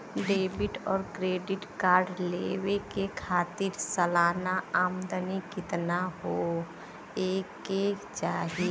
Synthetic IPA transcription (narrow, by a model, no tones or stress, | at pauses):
ɖeːbɪʈɔːɾkɾeːɖɪʈkaːɾɖlewekekʰaːt̪ɪɾsəlaːnaaːmd̪ənikɪt̪naɦo | eːket͡ʃaːɦe